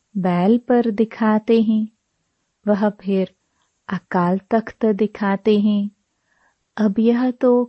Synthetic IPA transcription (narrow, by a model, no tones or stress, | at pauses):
bɛːlpɐɾd̪ɪkʰaːt̪eɦɛ̃ː | ʋɐɦpʰɪɾ | ɐkaːlt̪ɐkʰt̪d̪ɪkʰaːt̪eɦɛ̃ | ɐbjɐɦt̪o